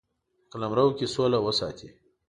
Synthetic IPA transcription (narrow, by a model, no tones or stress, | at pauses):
klɐmɾɐwkʲisoːlawɐsa̰ːt̪ʰḭ